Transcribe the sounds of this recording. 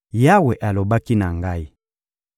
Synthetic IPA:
ja˦wɛ˨ʔa˨lo˨ba˦ki˦na˨ŋɡa˦i˦

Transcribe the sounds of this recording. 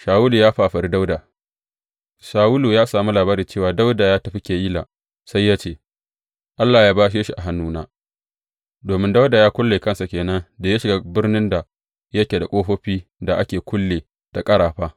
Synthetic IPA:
ʃaː˨wuː˦luː˨jaː˦ɸaː˨ɸɐ˨ɾi˦da˦wdaː˨ | ʃaː˨wʊ˦luː˨jaː˦saː˨mu˦laː˨baː˦ɾi˨t͡ʃeː˦˨waː˨da˦wda˨jaː˦tɐ˨ɸi˦kʲeː˨jiː˦la̰ː˨ | sa˦jːaː˦t͡ʃeː˦˨ | ʔa˦lːaː˨jaː˦baː˦ʃ̬eː˦ʃi˨ʔa˨ɦa˦nːuː˦na̰ː˦ | doː˨mɪ˦nda˦wdaː˨jaː˦kʷʊ˦lːeː˨kɐ˦nsa˨kʲeː˨nɐ˦nda˨ja˦ʃɪ˨ɡa˦bɪ˦rnɪ˦nda˨ | jɐ˦kʲe˨da˨kʷʼoː˦ɸoː˦ɸiː˦da˨ʔa˦kʲeː˨kʷʊ˦lːeː˨ | d̥a˨kʼɐ˦ɽaː˨ɸaː˦

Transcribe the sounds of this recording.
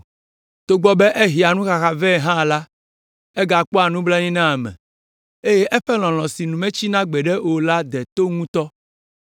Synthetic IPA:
t̪o˨ɡ͡bɔ˦bɛ˦ʔe˦ɦi˨a˨nũ˦xa˨xa˨vɛ˦˨ɦã˦˨la˦ | ɛ˦ɡa˨k͡pɔ˦a˨nũ˦bla˦ɲĩ˦nã˦˨mɛ̰̃˨ | e˦je˦ʔɛ˦ɸɛ˦l̃ɔ̃˨l̃ɔ̃˨si˨nũ˨mɛ̃˦t͡ɕi˦nã˦ɡ͡bɛ˨ɖɛ˦wo˨la˦d̪ɛ˨t̪o˦ŋũ˦t̪ɔ˦

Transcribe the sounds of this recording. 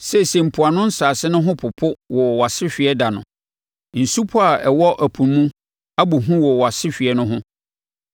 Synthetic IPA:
sɛ˨sɛ˨m̩˨pʰʊ˨a˨nʊ̃˦n̩˦saː˨sɪ˦nʊ̃˦ɦʊ̃˦pʰʊ˨pʰʊ˦wɔ˨wa˨sɪ˦ɕᶣi˨ɛ˦da˨nʊ̰̃˨ | n̩˨su˦pʰɔ˦a˨ɛ˨wɔ˦ʔæ˨pʰu˨mũ˦ | a˦bu˨ɦũ˦wɔ˨wa˨sɪ˦ɕᶣi˨ɛ˦nʊ̃˦ɦʊ̃˦

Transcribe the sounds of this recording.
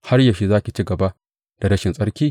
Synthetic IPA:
ha˦rjɐ˨ʃi˦zaː˦kʲi˨t͡ʃiː˦ɡɐ˨ba˦ | d̥a˨ɾɐ˦ʃɪ˨nsʼɐ˦ɽkʲiː˦

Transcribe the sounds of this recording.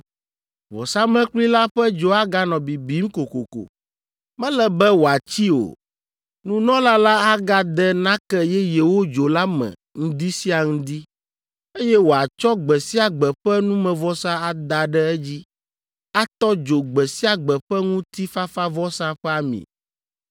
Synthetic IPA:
vɔ̰˨sa˦mɛ̃˦k͡pli˦la˦ɸɛ˦d͡ʒo˦a˦ɡa˦nɔ̃˨bi˨bi˨˦ŋ̩˦ko˨ko˨ko̰˨ | mɛ̃˦lɛ˨bɛ˦wo˨a˨t͡ɕi˦o̰˨ | nũ˦nɔ̃˦la˦la˦a˦ɡa˦d̪ɛ˦nã˦kɛ˦jɛ˦jɛ˨wo˦d͡ʒo˨la˦mɛ̰̃˨ | ŋ̩̃˦d̪i˦si˦a˨ŋũ˦d̪i˦ | e˦jɛ˦wo˨a˨t͡ʃɔ˦ɡ͡bɛ˨si˦a˨ɡ͡bɛ˨ɸɛ˦nũ˦mɛ̃˨vɔ˦sa˦a˨d̪a˨ɖɛ˦ɛ˦d͡ʑi˦ | a˦t̪ɔ˦d͡ʒo˨ɡ͡bɛ˨si˦a˨ɡ͡bɛ˨ɸɛ˦ŋũ˦t̪i˦fa˦fa˦vɔ˦sa˦ɸɛ˦a˨mḭ̃˨

